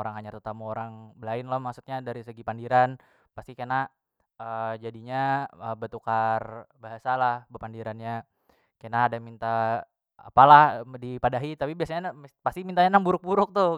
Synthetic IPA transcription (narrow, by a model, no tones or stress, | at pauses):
oɾaŋhaɲat̪ət̪amuoɾaŋbəlaɪnlomaksu̥t̪̚ɲadaɾisəɡipandiɾan | past̪ikana | əd͡ʒadiɲaəbət̪ukarbaɦasalahbəpandiɾanɲa | kanaːdamint̪a | a̰palahdipadaɦit̪apibiasaɲapast̪imint̪aɲanaŋbuɾʊk̚buɾʊk̚t̪ʊ